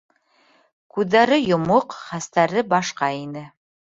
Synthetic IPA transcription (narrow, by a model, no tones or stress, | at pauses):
kʉðːæɾɘjŏmoqχæst̪æɾɘbɑʃqɑinɘ